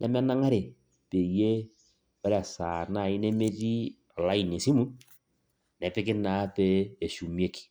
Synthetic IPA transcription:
nʔɛ˨m˦a˦na˦ŋa˦ɾe˨ | pe˨je˦ | ɔ˦ɾa˨saː˨na˦˨i˦ne˦me˦ti˦ | a˨la˦i˨ne˨si˦mu˦n | nɛ˨pɪ˦kɪ˦na˨˦peː˦˨ʃu˨mje˦ki̥˨

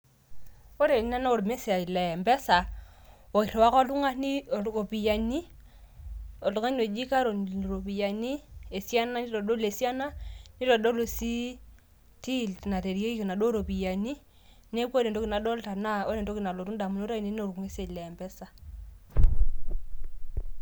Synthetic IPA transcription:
o˦ɾe˨ni˦na˦na˦o˨ɾu˨me˦sa˨i˨lɛ˨mbɛ˦sa˨wo˨ki˨ɾe˨wa˦kɔ˦lu˦ŋa˦ni˦˨o˨pi˨ja˨ni˦ | o˨lo˨ŋa˦ɲo˨d͡ʒi˦ka˦ɾo˨ɾo˨pi˨ja˨ni˦e˨si˦a˦na˦ni˦to˨ɗo˦le˨sja˦na˦ni˦ɾɔ˨ɗo˦lo˨si˦ | ti˦˨lna˨te˨ɾi˦e˦i˦ki˨na˨ɗo˦ɾo˨pi˨ja˨ni˦ | ne˦kʷo˦ɾe˨do˦ki˨na˨ɗo˦lta˨na˦o˦ɾe˨ndo˦ki˨na˨lo˨tu˦da˨mu˦no˦ɾe˦˨ni˦no˦o˨ɾku˨ŋe˦se˨i˨lɛ˨mbɛ˦sa˨

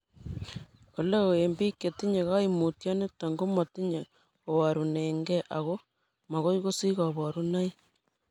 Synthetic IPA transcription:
ko˨le˦o˨e˨mbi˦ke˨ti˦ɲe˨ɣa˦imu˨tjɔ˦ne˦ta˨ŋɡo˦mo˨t̪i˦ɲe˨ | o˨wa˨ɾu˨ne˨ŋɡe˦ʔa˨ɣo˦ | ma˨ɣo˦i˦ɣo˦si˦ɣa˨βɔ˨ɾu˦na˦i˦

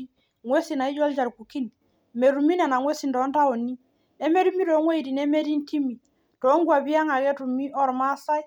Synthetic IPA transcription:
i˦ | ŋwe˦si˨na˨i˦d͡ʒɔ˦ld͡ʒa˨ɾku˨ki˦n | me˨ɾu˨mi˦na˨na˨ŋwe˦si˨ndɔ˨˦nda˦ɔ˨ni˦ | ɛ˦me˦ɾu˦mi˦ɾɔ˨˦ŋwe˦i˨di˨nɛ˦me˦ɾi˦n˦ti˦mi˨ | tɔ˨˦ŋɡwa˨bi˦a˦ŋa˨ɡɛ˦tu˨mi˦ʔɔ˦˨ɾma˦sa˦j

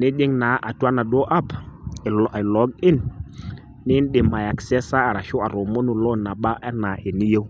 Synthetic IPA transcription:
nɪ˦ɗɪ˦ŋna˨˦ʔa˨twa˦na˨ɗɔ˦ʔa˦p | lɔ˦ɡɪ˦n | nɪ˦n˦ɗɪ˨ma˨ja˨ksɛ˦sa˦a˨ɾa˨ʃɔ˦a˨ɾo˨mo˦nu˨lɔ˦na˨ɓa˦ʔɛ˦na˨ʔe˨ni˦je˦w

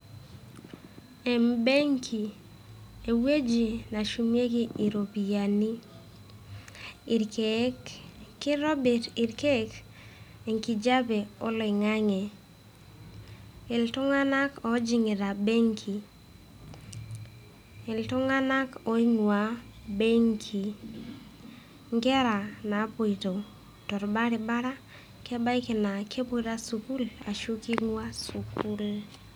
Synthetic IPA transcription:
ɛ˨mbe˦ŋkʰi˨ | e˨we˦d͡ʒi˨na˨ʃu˨mje˦ɡi˦i˨ɾo˨pi˨ja˨ni˦ | ɪ˨ɾkʰekːɪ˦ɾɔ˦bɛ˨ɾɪ˨ɾke˦k | ɛ˨ŋki˨d͡ʒa˦bɛ˨ɔ̰˦lɪ˨ŋa˦ŋɛ˨ | ɪ˨ltʊ˦ŋa˦na˦kɔ˨d͡ʒi˨ŋɪ˨ɾa˨be˦ŋkʰi˨ | ɪ˨ltʊ˦ŋa˦na˦kɔ˦i˦ŋwa˨be˦ŋkʰi˨ | ŋɡɛ˦ɾa˨na˨˦pɔ˨i˨to˨ | tɔ˨ɾba˦ɾɪ˨ba˦ɾa˦ | kɛ˦ba˦jkɪ˨na˨kʰe˦pu˦ɾa˦su˨ku˦la̰˨ʃu˦ki˦ŋwa˦su˨ku˦l

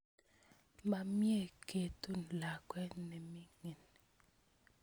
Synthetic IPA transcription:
ma˨mje˦˨kʰe˨tu˦˨n˨la˨kwɛ˦nɛ˨mi˦ŋe˨ni

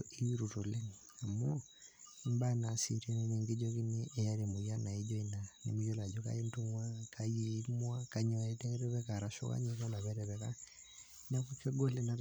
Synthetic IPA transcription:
ɔʔi˦i˦ɾutɔ˨lɛ˦ŋ | a˨mɔ | mba˦nasiɾe˦nmeŋɡi˦d͡ʒɔki˦neʔːja˦ɾe˨mu˨ja˦na˨i˦d͡ʒɔ˦ina˨nḛ˨mu˦jɔ˦la˨d͡ʒɔka̰˦e˦ntuŋwa˦kajimwaka˨ɲɔ˨ɛtɛkɛ˦ɾɛ˦βɛ˦ka˨ɾaʃɔ̰˦ka̰˦ɲɛ˨kɔ˦la˨βɛ˦ɾɛβɛka˦ | na˦ku˦kɛ˦ɡɔ˦lɛ˦na˨

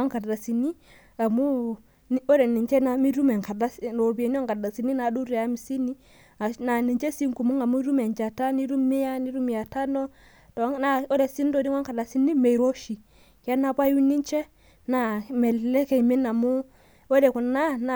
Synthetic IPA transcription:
a˦ŋka˨da˨si˨ni˦ | a˨mu˦ | o˦de˨ni˨nt͡ʃɛ˦na˨mi˦ɾu˦mɛ˨ŋka˨da˦sno˨bi˨e˨n˦o˦ŋka˨da˨si˨ni˦na˨˦du˦ɾi˨a˦mi˨si˦ni˦ | a˨na˨ni˨t͡ʃe˦si˦ŋku˨mu˦ŋa˨mu˦ɾu˦mɛ˨nd͡ʒa˨ta˦ni˦ɾu˦mi˦ja˦ni˦ɾu˦m˨ja˨ta˦no˦ | ta˨˦o˦de˨si˦n˦to˨˦di˦wa˦ka˨da˨si˦ni˦me˨jɾo˦ʃi˨ | kɛ˦na˨pa˦ju˦ni˦nt͡ʃɛ˦ | na˨mɛ˨ɛ˦ke˨mi˦na˨mu˦ | o˦de˨ku˨na˦na˨

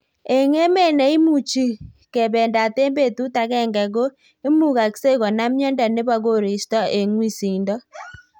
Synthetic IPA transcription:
e˨ŋe˦me˦˨nɛ˨i˦mu˦˨t͡ʃi˦ | kɛ˨βɛ˨nda˨te˦mbe˦˨tu˦ta˨ɣɛ˦˨ŋɡɛ˨ɣo˦ | e˦mu˦˨ɣa˨kse˦ɣɔ˨na˦mjɔ˦nda˨ne˦βa˦ɣo˦˨ɾi˨stɔ˦e˨ŋwi˦si˨ndɔ˦

